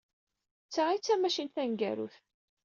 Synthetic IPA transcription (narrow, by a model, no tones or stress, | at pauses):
t͡sːaʕit͡sːæmæʃinθæŋɡæ̰ɾṵθ